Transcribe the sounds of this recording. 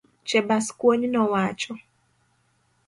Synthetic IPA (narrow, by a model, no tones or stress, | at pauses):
t͡ʃɛbaskwoɲnɔwat͡ʃɔ